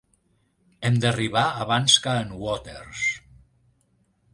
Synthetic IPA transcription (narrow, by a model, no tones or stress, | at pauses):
emd̪əriβ̞aːβ̞anskaənwɔt̪eɾs